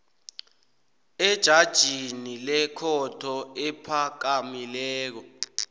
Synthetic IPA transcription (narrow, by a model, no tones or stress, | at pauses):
ɛd̥ʒ̥ʱad̥ʒ̥ʱinilɛkʰɔtʰɔɛpʰak̬amilɛːk̬ɔ